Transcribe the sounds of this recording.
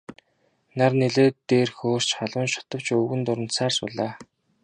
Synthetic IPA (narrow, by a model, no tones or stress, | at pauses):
narneɮeːt̪eːrxoːr̥t͡ɕχaɮwə̆nʃʊ̥t̪ə̆w̥t͡ɕɵɣɘ̆nt̪ʊɾə̆n̥t̪saːrsʊ̰ɮaː